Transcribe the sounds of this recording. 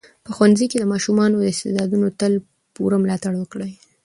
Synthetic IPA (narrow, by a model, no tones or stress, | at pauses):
pəxwanziked̪əmɑʃumɑnod̪əɪst̪ḛd̪ɑd̪unot̪əl | pṵɾamlɑt̪aɽwəkɽaj